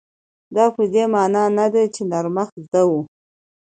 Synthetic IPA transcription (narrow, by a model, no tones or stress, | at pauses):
d̪ɑpəd̪emɑnɑnad̪at͡ʃenaɾmaxzd̪awu